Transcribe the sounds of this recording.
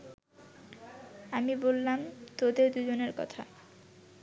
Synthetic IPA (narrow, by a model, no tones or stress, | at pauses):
amibolːamt̪od̪eɾd̪ud͡ʑoneɾkɔ̰t̪ʰa̰